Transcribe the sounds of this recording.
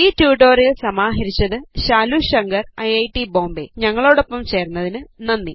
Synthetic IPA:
iːtjuːʈo̞ːrijɐlsɐmaːɦɐɾit͡ɕːɐðɨɕaːluɕɐŋɡɐrɐjɐjʈːibo̞ːmbeɲɐŋːɐɭo̞ːɽo̞pːɐmt͡ɕe̞ːrnːɐðinɨnɐnːi

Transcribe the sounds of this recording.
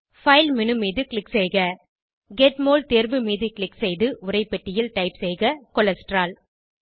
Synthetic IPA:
fɐɪlmɪnɯmiːðɯkɭɪksɛɪɣɐ | ɡeʈmoːlt̪eːɾbɯmiːðɯkɪɭɪksɛɪðɯʔʊrɐɪpːɛʈːɪjɪlʈɐɪpsɛɪɣɐkɔlɐsʈɾaːl

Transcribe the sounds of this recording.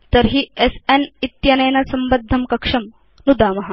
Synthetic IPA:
t̪ɐɾɦiesenit̪jɐnɐjnɐsɐmbɐd̪ʱːɐmkɐkʂɐm | nud̪aːmɐɦɐ

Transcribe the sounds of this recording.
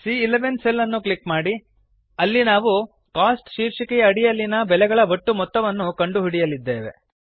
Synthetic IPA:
siːleʋenselːɐnːukɭikmaːɽi | ɐlːinaːʋu | kaːsʈʃiːɾʂikɛjɐːɽijɐlːinɐbɛlɛɡɐɭɐʋɐʈːumɔt̪ːɐʋɐnːukɐɳɖuɦiɽijɐlid̪ːeːʋe̞̰

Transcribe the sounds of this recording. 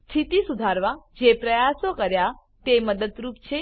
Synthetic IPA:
st̪ʰit̪isud̪ʱaɾʋad͡ʒepɾəjasokəɾja | t̪eməd̪əd̪ɾupt͡ʃʰe

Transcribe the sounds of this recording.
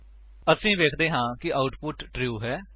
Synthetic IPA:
əsĩːʋeːkʰd̪eːɦãːkɪʔaːʊʈpʊʈːɾiuːɦɛː

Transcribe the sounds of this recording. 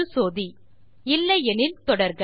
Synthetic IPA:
ɯsoːði | ɪlːɐjɛnɪlt̪ɔɽɐɾɣɐ

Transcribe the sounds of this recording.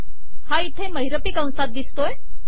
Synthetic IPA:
hait̪ʰeməɦiɾəpiːkə̃w̃sat̪̚d̪ist̪oj

